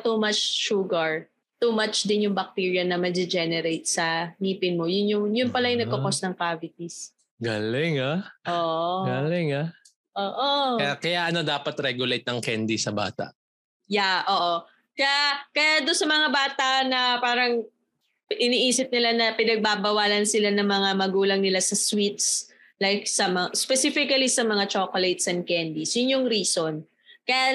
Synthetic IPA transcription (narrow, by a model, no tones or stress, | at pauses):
t̪uːmɐt͡ʃʃuːɡɐɹ | t̪umat͡ʃd̪ɪnjʊŋbɐk̚t̪iːɹjɐnɐmɐd̪ɪd͡ʒɛnɛɾejt̪̚sɐniːpɪnmojʊnjʊŋjʊnpɐlajɪŋnɐɡkːokosnɐŋkaːvɪt̪̚is | ɡalɪŋaʔoːʔɡalɪŋa | ʔoːʔojakɐjaʔɐno̞d̪aːpɐt̪ɾɛɡjʊlejt̪̚nɐŋkɛnd̪isɐba̰ːt̪ɐ̰ʔ | jaʔoːʔo | kɐjakɐjad̪onsɐmɐŋabaːt̪ɐʔnɐpaːɾɐŋ | ʔɪniːʔiːsɪp̚nɪlanɐpɪnɐɡ̚babɐwaːlɐnsɪlanɐŋmɐŋamɐɡuːlɐŋnɪlasɐswit̪̚s | lajk̚sɐmɐŋaspɛsifɪkɐlisɐmɐŋat͡ʃokolejt̪sɛn̚kɛnd̪isjʊnjʊŋɾiːson | kɐja